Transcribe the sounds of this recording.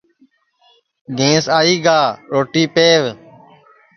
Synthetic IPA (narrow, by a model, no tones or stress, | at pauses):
ɡẽːsaːiːɡaːɾoːʈiːpeːʋ